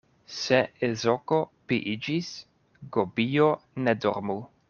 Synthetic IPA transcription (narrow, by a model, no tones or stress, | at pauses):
seezokopḭʔid͡ʒis | ɡobijonedo̰ɾmu